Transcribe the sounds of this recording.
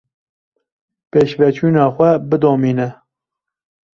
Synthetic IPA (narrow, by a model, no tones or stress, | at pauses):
peːʃvɛt͡ʃʰuːnɑːxʷɛbɨd̪oːmiːnɛ